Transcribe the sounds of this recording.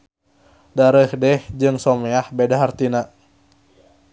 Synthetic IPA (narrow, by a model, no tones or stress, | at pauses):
daɾəhdɛhd͡ʒɨŋsomeahbedaɦart̪ina